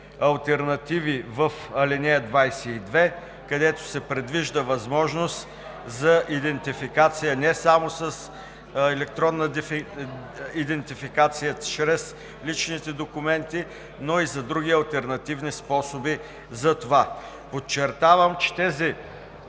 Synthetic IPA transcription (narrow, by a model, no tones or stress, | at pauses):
ɐlˠt̪ɛɾnɐt̪ivivəf | ɐlinɛd̪vajsɛid̪vɛ | kɐd̪ɛt̪ʊ̥sɛpɾɛd̪viʒd̪əvɐzmɔʒnost̪ | zɐʔid̪ɛnt̪ifikat̪sijənɛsamosəs | ɛlɛk̚t̪ɾɔnːəd̪ɛf | id̪ɛnt̪ifikat̪sijət͡ʃɾɛs | lit͡ʃnit̪ɛd̪okʊmɛnt̪i | noizɐd̪ɾuɡ̟iɐlˠt̪ɛɾnɐt̪ivnispɔsobi | zɐt̪ova | pot͡ʃːɛɾt̪avəmt͡ʃɛ̥t̪ɛzi